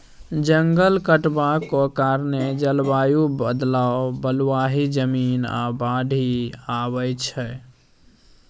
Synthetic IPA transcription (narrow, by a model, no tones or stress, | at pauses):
d͡ʒəŋɡəlkəʈbakɔkaɾned͡ʒəlbajubəd̪laobəlwaɦid͡ʒəmina̰baɖʱiabəjt͡ʃʰɛ